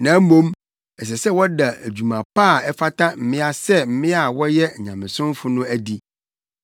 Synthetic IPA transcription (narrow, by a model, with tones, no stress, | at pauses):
nã˨˦mõ˦m | ɛ˨s̬ɛ˨sɛ˦wɔ˦da˨æ˨d͡ʑu˨mã˨paː˦˨ɛ˦fa˦tʰa˦m̩˨mɪ̃˦a˦sɛ˦m̩˨mɪ̃˦a˨wɔ˦jɛ˦˨ɲã̰˨mɪ̃˨sʊ̃˦m˦fʊ˦nʊ̃˦æ˦di˦